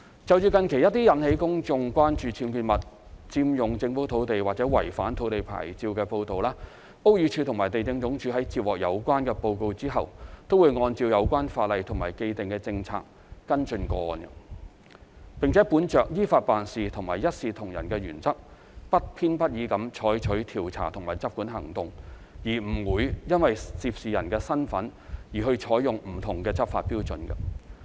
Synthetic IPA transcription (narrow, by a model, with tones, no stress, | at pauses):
t͡sɐ˨wjyː˨˧kɐ˨˧nkʰe˨˩jɐ˥t̪iː˥jɐ˨˥nhe˨˧˥jkʊ˥ŋt͡sʊ˧ŋkwaː˥nt͡ʃyː˨˧t͡sʰiː˧mkyː˧t̚mɐ˨t̚ | t͡siː˧mjʊ˨ŋt͡sɪ˧ŋfu˨˥t̪ʰo˨˥wt̪e˨jwaː˨t̚t͡sɛː˨˥wɐ˨˩jfaː˨˥nt̪ʰo˨˥wt̪e˨˩jpʰa̰ː˨˩jt͡siː˧wkɛː˧po˧wt̪o˨wlaː˥ | o˥wjy˨˧˥t͡ʃʰyː˧t̪ʰʊ˨˩ŋmaː˨˩jt̪e˨˩jt͡sɪ˧ŋt͡sʊ˨˥ŋt͡ʃʰyː˨˥ɦɐ˨˥jt͡siː˧˥p̚wɔː˨k̚jɐ̰˨˧wkʷaː˥nkɛː˧po˧wko˧wt͡siː˥ɦɐ˨wt̪o˥wuː˨˧jŋɔː˧nt͡siː˧wjɐ˨˧wkʷaː˥nfaː˧t̚lɐ˨jt̪ʰʊ˨˩maː˨˩jke˧jt̪ɪ˨ŋkɛː˧t͡sɪ˧ŋt͡sʰa̰ː˧k̚ː | ɐ˥nt͡ʃɵ˧nkɔː˧ɔː˧nɐ˧ | pɪ˨ŋt͡sʰɛ˨˥puː˨˥nt͡ʃœː˨k̚jiː˥faː˧t̚paː˨nsiː˨t̪ʰʊ˨˩ŋmaː˨˩jɐ˥t̚siː˨t̪ʰʊ˨˩ŋjɐ̰˨˩nkɛː˧ɥyː˨˩nt͡sɐ˥k̚ | pɐ˥t̚pʰiː˥npɐ˥t̚jiː˨˥kɐ˨˥mt͡ʃʰɔː˨˥jt͡ʃʰɵ˨˥ɥt̪ʰiː˨˩wt͡sʰa̰ː˨˩t̪ʰʊ˨˩ŋmaː˨˩jt͡sɐ˥p̚kuː˨˥nɦɐ˨˩ŋt̪ʊ˨ŋ | jiː˨˩m̩˨˩wuː˨˥jjɐ˥nwɐ˨jt͡siː˧p̚siː˨jɐ̰˨˩nkɛː˧sɐ˥nfɐ˨˥njiː˨˩ɦɵ˧ɥt͡ʃʰɔː˨˥jjʊ˨ŋm̩˨˩t̪ʰʊ˨˩ŋkɛː˧t͡sɐ˥p̚fa̰ː˧t̚piː˥wt͡sɵ˨˧˥nkɐ̰˧